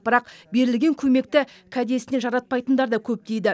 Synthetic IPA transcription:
b̥əɾɑqbe̞ɾɪlɡʲe̞ŋkʲʰɵme̞k̚t̪ɪ | kʲʰæd̪e̞sɪne̞nʒɑɾɑt̪̚pɑjt̪ənd̪ɑɾd̪ɑkʲʰɵp̚t̪e̞jd̪ɪ

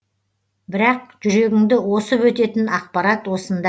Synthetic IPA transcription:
bɪɾɑq̚ʒʏɾe̞ɡʲɪŋd̪ɪwo̞səpwɵt̪e̞t̪ɪnɑq̚pɑɾɑt̪wo̞sənd̪ɑ

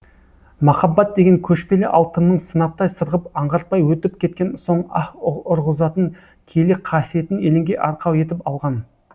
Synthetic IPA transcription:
mɑχɑbːɑt̪̚d̪e̞ɡʲe̞ŋkʲʰɵʃpe̞lɪʔɑlˠt̪ənnəɴsənɑp̚t̪ɑjsəɾʁəpɑɴʁɑɾt̪̚pɑjwɵt̪ɪpkʲʰe̞t̪̚kʲe̞nso̞ɴɑχʊɾʁəzɑt̪əŋ | kʲʰe̞lɪqʰɑsije̞t̪ɪne̞lɪŋɡʲe̞ʔɑɾqʰɑwe̞t̪ɪpɑlˠʁɑn

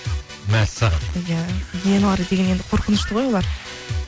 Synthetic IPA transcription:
mæsɑʁɑnjæjenɑɾəd̪e̞ɡʲe̞ne̞nd̪ɪqʰo̞ɾqənəʃt̪əʁo̞jolˠɑɾ

